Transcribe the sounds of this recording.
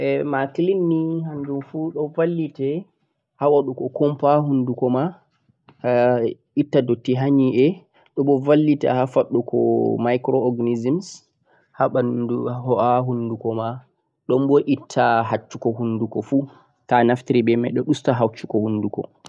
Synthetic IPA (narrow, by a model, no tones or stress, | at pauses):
ʔɛmaklinːihand͡ʒumfuɗɔvalːitɛ | hawaɗukɔkɔmpaɦundukɔma | itːadotːiɦaɲiʔɛ | ɗɔɓɔvalːita̰hafaɗːukɔ̰majkɾɔːɡnizims | haauhɔʔaɦundukɔma | ɗɔmbɔʔitʰːaɦat͡ʃːukɔɦundukɔfu | kanaftiɾibɛmɛjɗɔɗustaɦawt͡ʃːu̥kɔhundukɔ̰